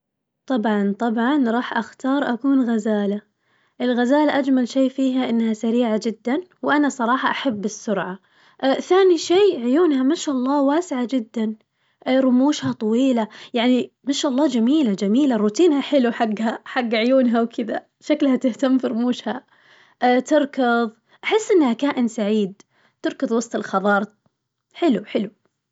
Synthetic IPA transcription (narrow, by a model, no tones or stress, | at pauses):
t̪ˤɑbʕɑnt̪ˤɑbʕɑnɾˤɑːħʔaxt̪ɑːɾˤʔakuːnɣazaːla | ʔɪlɣazaːlaʔad͡ʒmalʃeːfiːɦaʔɪnːhasaɾiːʕad͡ʒɪd̪ːanwʔanasˤɑɾˤɑːħɑʔaħabːɪsːʊɾʕa | ʔθaːniʃeːʕʊjuːnhamaʃaʔɑlˤːɑːwaːsɪʕad͡ʒɪd̪ːan | ʔɾˤʊmuːʃhat̪ˤɑwiːlajaʕni | maʃaʔɑlˤːɑːd͡ʒamiːlad͡ʒamiːlaɾuːt̪iːnhaħɪluħaɡːhaħaɡːʕʊjuːnɦawkʰɪd̪a̰ | ʃaklhat̪ɪht̪amfiɾʊmuːʃha | ʔt̪ɪɾˤkɑðˤ | ʔaħɪsːʔɪnːhakaːʔɪnsaʕiːd̪̚ | t̪ɪɾkɨðˤwɑsˤt̪ˤɪlxɑðˤɑːɾˤ | ħɪluħɪlu